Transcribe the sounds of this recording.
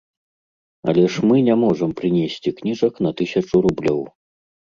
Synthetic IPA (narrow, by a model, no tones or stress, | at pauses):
ɐ̰lʲɛʂmɨnʲɛmɔʐɐmpɾɨnʲesʲt͡sʲiknʲiʐɐkn̪ɐt̪ɨsʲɐt͡ʂuɾublʲɔw